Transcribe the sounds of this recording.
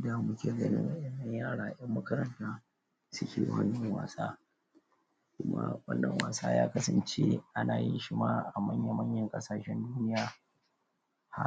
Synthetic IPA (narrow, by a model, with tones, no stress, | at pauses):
da˨mʊ˦kʲʰeː˨ɡɐ˦nɪ̰˦ŋʔa˦ʔɛ˦nːɐ˦ɲjaː˦˨ɽaː˨ʔjɐ˦mːɐ˦kɐ˦ɾɐ˦ntaː˦ | sʊ˦kʲḛː˨wɐ̰˦nːɐ˨ŋwa̰ː˨saː˦ | kʷʊ˦ma̰˦wɐ̰˦nːɐ˨ŋwaː˨saː˦jaː˦kɐ˦sɐ˨nt͡ʃe˦ʔa˦naː˨jɪ˦nʃɪ˦maː˦ʔa˨mɐ˦ɲja˨mɐ˦ɲjɐ˨ŋkʼɐ˦saː˨ʃɛ˦nduː˦nɪ˦jaː˨ | ha˦